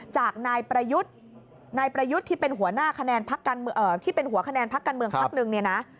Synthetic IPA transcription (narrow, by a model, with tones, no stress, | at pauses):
t͡ɕaː˨˩k̚naː˧jpɾa˧ju˦˥t̪̚ | naː˧jpɾa˧ju˦˥t̪ʰːiː˥˩pe˧nɦu˩˦ɐnaː˥˩kʰa˧nɛː˧npʰa˦˥kːaː˧nmɯ˧ʔəː˧˩t̪ʰiː˥˩pe˧nɦu˩˦ɐkʰa˧nɛː˧npʰa˦˥kːaː˧nmɯ˧əŋʰa˦k̚nɯ˧ŋni˥˩ɐna˦˥ʔ